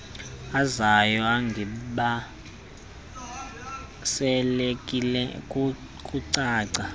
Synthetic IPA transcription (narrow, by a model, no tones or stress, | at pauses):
azajɔaŋɡʱiɓa | sɛlekʼilɛkʼu | kʼuǀaːǀa